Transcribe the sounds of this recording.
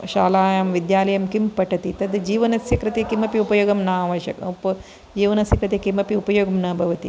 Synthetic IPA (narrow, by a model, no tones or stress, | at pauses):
ʃaːlaːjɐmʋid̪jaːlɐjɐmkimpɐʈɐt̪it̪ɐd̪d͡ʒiːʋɐnɐsjɐkɾɪt̪ekimɐpiupɐjoːɡɐmnaːʋɐʃɐ̰kpɐ | d͡ʒiːʋɐnɐsjɐkɾɨt̪ekimɐpiupɐjoːɡɐmnɐːbʱɐʋɐt̪ḭ